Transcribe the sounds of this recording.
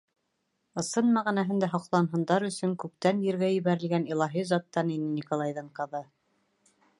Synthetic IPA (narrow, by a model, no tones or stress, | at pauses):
ɤ̆sɤnmæʁænæɦɘnd̪æɦŏqlˠɑnɦɤ̆nd̪ɑɾɵ̆sɵŋkʉp̚t̪ænjɘ̆ɾɡæjɘ̆βæɾɘ̆lɡænilˠɑɦizɑt̪ːɑninɘnʲikolˠɑjðɤɴqɤ̆ðɤ